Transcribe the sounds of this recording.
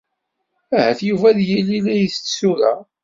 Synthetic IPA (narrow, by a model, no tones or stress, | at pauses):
æhæθjuvæðjilːilæjəθt͡sːsuɾa̰